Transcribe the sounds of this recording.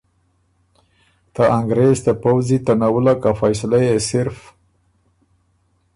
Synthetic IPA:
t̪aʔaŋɡɾezd̪əpawzit̪anawulakafajsalajesɪɾf

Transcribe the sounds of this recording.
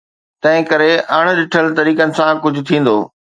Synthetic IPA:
t̪ɐ̃ɦɪ̃kɐɾeɐɽ̃̆ɗɪʈʰəlt̪ɐɾiːkənɪ̆sãkʊd͡ʑʱʊ̆t̪ʰĩːn̆d̪oː

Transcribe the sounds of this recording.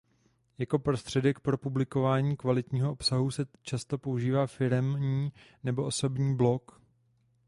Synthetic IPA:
jako̞pɾo̞st̪r̝̥ɛdɛkpɾo̞publɪko̞vaːɲiːkvalɪt̪ɲiːɦo̞ʔopsaɦusɛt͡ʃast̪o̞pouʒiːvaːfɪɾɛmɲiː | nɛbo̞ʔo̞so̞bɲiːblo̞k

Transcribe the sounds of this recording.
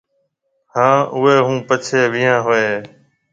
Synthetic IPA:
hãːʔʊɦeːɦũːpət͡ʃʰeːʋɪjãːɦoeː

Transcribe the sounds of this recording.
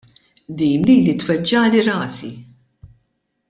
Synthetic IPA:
d̪iːnliːlit̪wɛd͡ʒːɐːliɾɐːsḭ

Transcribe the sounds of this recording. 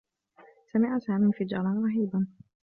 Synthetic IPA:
samɪʕasaːmiːfid͡ʒɑːɾˤɑnɾˤɑħiːban

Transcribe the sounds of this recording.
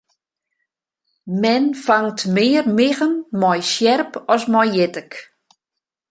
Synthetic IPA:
mɛnfaŋtmɪːərmɪɣənmɔjsjɛrpɔsmɔjjɪtək

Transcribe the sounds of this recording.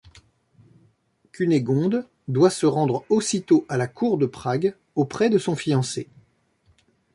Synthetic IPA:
kʰyneɡɔ̃d̪ | d̪wasəʁɑ̃d̪ʁosit̪oʔalakʰuʁd̪əpχaɡ | opχɛd̪əsɔ̃fijɑ̃se

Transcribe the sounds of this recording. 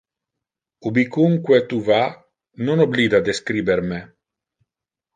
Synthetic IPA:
ubikuŋkwet̪uva | nonobliːd̪ad̪eskɾiːbeɾme

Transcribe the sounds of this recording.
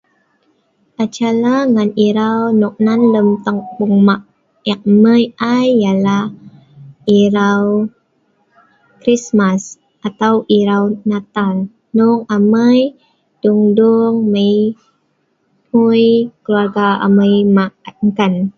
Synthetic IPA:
ʔat͡ʃalaŋaniɾawnɔk̚nanləmt̪əŋbuŋmaʔ | ɛk̚məjʔajːalah | iɾaw | kɾismas | ʔat̪awʔiɾawnat̪al | nuŋaməj | d̥uŋduŋməj | hujkəluarɡaa̰məjmaʔŋkan

